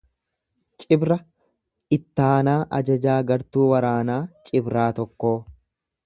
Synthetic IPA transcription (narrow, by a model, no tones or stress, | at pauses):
t͡ʃʼɪbɾɐ | ɪt̪ːaːnaːʔɐd͡ʒɐd͡ʒaːɡɐɾt̪uːwɐɾaːnaːt͡ʃʼɪbɾaːt̪ɔkːo̞ː